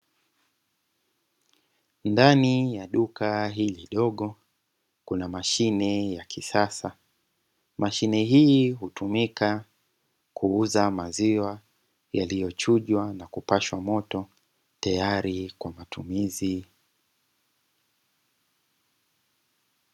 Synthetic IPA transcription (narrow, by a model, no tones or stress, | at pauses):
ndanijaɗukaɦiːliɗɔɠɔ | kunamaʃinɛjakʰisasa | maʃinɛɦiɦutumika | kʰuuzamaziwa | jalijɔt͡ʃuʄwanakupaʃwamɔtɔ | tajaɾikwamatumizi